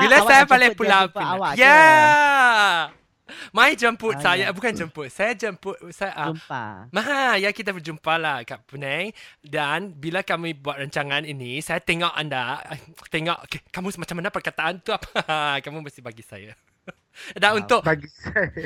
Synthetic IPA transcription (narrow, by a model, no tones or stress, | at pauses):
bilasajapalipulawpiwaja | mãid͡ʒəmpʊt̪̚sajabukand͡ʒəmpʊt̪̚sajad͡ʒəmput̪̚sajaʔaamaɦajakit̪̬abəd͡ʒumpalahkapunajdanbilakamibuat̪̚ɾaɲt͡ʃaŋãninisajat̪eŋɔʔa̰ndat̪eŋɔʔkkamũsmat͡ʃamanapərkat̪aʔant̪uapakamũməsibaɡisa̰ja̰ | daʔunt̪ʊʔbaɡi